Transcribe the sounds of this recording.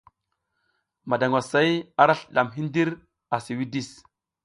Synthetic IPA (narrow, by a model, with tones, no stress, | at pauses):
ma˨da˨ŋwa˨sa˦ja˦ɾa˦ɬə˨ɗa˨mɦi˦ndi˦ɾ | a˨si˨wi˦di˦˨s